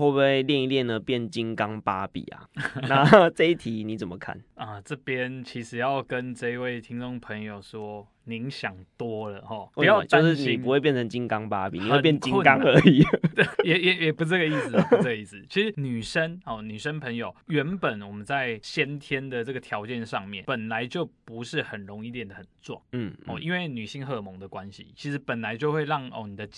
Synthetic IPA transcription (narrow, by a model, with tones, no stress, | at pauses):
o˥˧we˥˧ɪljɛ˥˧ni˧ljɛ˥˩nd̪ə˨pjɛ˥˩nt͡ɕi˦ŋkɑ˦ŋpa̰˦pḭ˨˩a̰˨˩na˥˨t͡sɤ˥˧i˥˩t̪ʰi˨˦ni˨˦˥t͡sə˨˩mə˦kʰa̰˥˩nə˩ʈ͡ʂɤ˥˩pjɛ˦nt͡ɕʰi˧˥ʂɻ̩˨˩jɑ˥˩ʊkə˦nʈ͡ʂɤ˥˧i˧we˥˩ɪt̪ʰi˥ŋt͡so˥˩ŋpʰə˧˥ŋjo˨˩ʊʂwɔ˦ | ni˧˥ŋɕjɑ˨˩ŋt̪wɔ˥lə˨hɔ˥˩we˥˩˧jʊ˨˩t͡ɕjo˥˧ʂɻ̩˥˨n˨˩pu˧˦we˥˧pjɛ˥˨nt͡sʰə˧˦ŋt͡ɕi˦˥ŋkɑ˦ŋpa˦pḭ˨n˨we˥˨˩pjɛ˥˨kt͡ɕi˦ə˥˨ka˦ŋə˧˦i˨˦t̪jɛ˨˩jɛ˨˩jɛ˨˩pu˧˦ʈ͡ʂə˥˩ɡə˩i˥˩s̩˩˨˩pə˥˧ɡə˧i˥˩s̩˨˩t͡ɕʰi˧˥ʂɻ̩˧˦ny˨˩ʂə˦nɔ˥˨˩ny˨˩ʂə˥npʰə˧˥ŋjo˨˩ʊɥɛ˧˥npə˨˩˦nwɔ˨˩mə˦nt͡sa˥˩ɪɕjɛ˥nt̪ʰjɛ˦nd̪ə˨t͡sɤ˥˩ɡə˩t̪ʰjɑ˧˥ʊt͡ɕjɛ˥˧nʂɑ˥˧ŋmjɛ̰˥˨npə˨˩nla˧˦ɪt͡ɕjo˥˩ʊpu˧˦ʂɻ̩˥˩xə˨˩nɻo˧˦ŋi˥˧t̪jɛ˨˩nd̪ə˨hə˨˩nt͡swɑ̰˥˨˩ŋ̩˥˩ɔ̰˨˩ʔi˦nwe˥˩ɪny˨˩ɕi˥˧ŋxɤ˥˧mo˧˦ŋd̪ə˨kwa˦nɕḭ˨˩t͡ɕʰi˧˥ʂɻ̩˧˥pə˨˩nla˧˦ɪt͡ɕjo˥˧xwe˥˧ɪɻɑ˥˩ŋɔ̰˥˧ni˨˩d̪ə˦t͡ɕ